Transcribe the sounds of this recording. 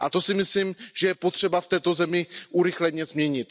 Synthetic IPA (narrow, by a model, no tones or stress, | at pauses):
ʔat̪o̞sɪmɪslimʒɛjɛpot̪r̥ɛbaft̪ɛːt̪o̞zɛmɪʔuɾɪxlɛɲɛzmɲɛɲɪt̪